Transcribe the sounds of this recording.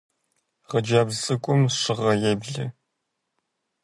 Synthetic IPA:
ʁɐd͡ʒaːbsʼɨkʷʼʊmʂɨʁɐjɛbɮɨ

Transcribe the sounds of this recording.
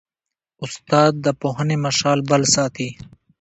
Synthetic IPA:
ʊst̪aːd̪̚ːəpoɦənemɐʃaːlbɐlsaːt̪ʰi

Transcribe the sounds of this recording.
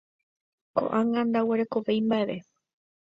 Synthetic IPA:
ko̞̰ʔaŋɡãnd̪aweɾe̞ko̞ʋejmbaeʋe̞

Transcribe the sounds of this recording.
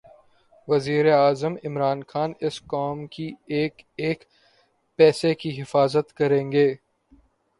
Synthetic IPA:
ʋɐziːɾeaːzəmɪmɾaːnxaːnɪskaːmkieːkeːk | pɛːsekiɦɪfaːzət̪kɐɾẽːŋɡeː

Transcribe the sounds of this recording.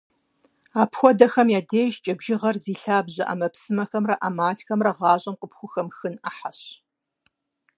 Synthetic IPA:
aːpxʷɔdɐxɐmjaːdeːʒt͡ʃʼɐbʒɪʁɐrziːɬaːbʑɐʔɐ̰mɐpsɨmɐxɐmrɐʔamaːɬxɐmrɐʁɑːɕʼɐmqəpxʷʊxɐmxɨnaħaɕ

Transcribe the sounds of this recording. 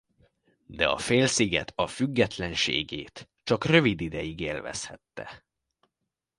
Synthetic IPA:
d̪ɛɒ̰feːlsiɡɛ̰t̪ʰɒfyɡːɛt̪lɛnʃḛːɡeːt̪ | t͡ʃɒkrø̞vid̪id̪ɛjiɡeːlvɛ̰shɛt̪ːɛ̰

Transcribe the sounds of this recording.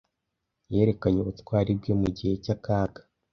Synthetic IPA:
je̞ːɾe̞kaɲeutkwaːɾib̚jo̞muɟihe̞cakaːɡḁ

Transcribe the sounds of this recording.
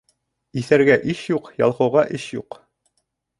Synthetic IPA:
iθæɾɡæʔiʃjuqjɑ̰lˠqɤ̆wʁɑʔɘɕjuq

